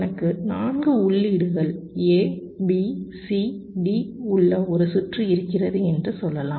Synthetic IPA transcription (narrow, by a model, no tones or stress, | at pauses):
nɐkːɯnaːnɡɯʊɭːiːɽɯɣɐɭeː | bisiɖiʊɭːɐɔɾɯsʊʈrɯɪɾɯkːɪrɐðɯɛndrɯsɔlːɐlãː